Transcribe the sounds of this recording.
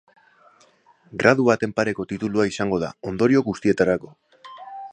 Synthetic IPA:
ɡɾað̞uβat̪e̞mpaɾe̞ko̞t̪it̪uluaisaŋɡo̞ða̰o̞nd̪o̞ɾio̞kɡust̪ie̞t̪aɾako̞

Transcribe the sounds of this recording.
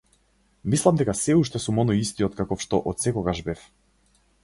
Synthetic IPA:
mislˠamd̪ɛkasɛuʃt̪ɛsumɔnɔjist̪iɔt̪kakɔfʃt̪ɔʔɔt̪sɛkɔɡaʃbɛf

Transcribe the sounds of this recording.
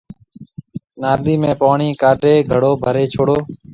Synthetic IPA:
naːd̪iːmẽːpaːɳiːkaːʈeːɡʱəɽoːbʱəɾeːt͡ʃʰoːɽoː

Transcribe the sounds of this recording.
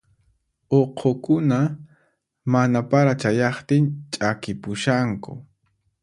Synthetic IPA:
oqʰokʊna | manapaɾat͡ʃajɑχt̪ɪnt͡ʃʼakɪpʊʃaŋkʊ̰

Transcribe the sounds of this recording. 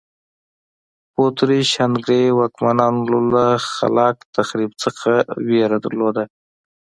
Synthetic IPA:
pot̪ɾiʃanɡɾewɑkmanɑnlolaxa̰lɑkt̪axɾibt͡səxaweɾad̪ə̰ɾlod̪a

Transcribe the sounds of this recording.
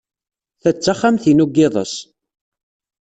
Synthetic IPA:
θæt͡sːaχːamθinuɡːɪðˤə̰s

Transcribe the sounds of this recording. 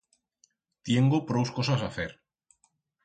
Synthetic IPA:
t̪jeŋɡopɾowskosasaθeɾ

